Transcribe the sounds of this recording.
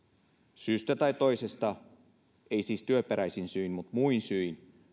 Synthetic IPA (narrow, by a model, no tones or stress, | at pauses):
syːst̪æt̪ɑjt̪o̞jse̞st̪ɑ | eisiːst̪yøpeɾæjsinsyinmut̪muinsyin